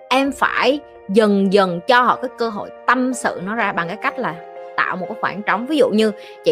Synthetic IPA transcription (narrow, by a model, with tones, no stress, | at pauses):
ʔɛ˧mfaː˧˩j | zə˨˩ŋzə˨˩ŋt͡ɕɔ˧hɔ̰˧˨kaː˨˦jkəː˧ɦo̰˧˨jt̪ə˧msɨ̰˧˨nɔ˨˦zaː˧ɓa˨˩ŋkaː˨˦jka˦˥jk̟̚laː˨˩t̪a̰ː˧˨wmo˨˩kaː˨˦xwaː˧˩nt͡ɕɔ˨˦wŋ͡mvi˨˦zṵ˧˨ɲɨ˧ | t͡ɕḭ˧˨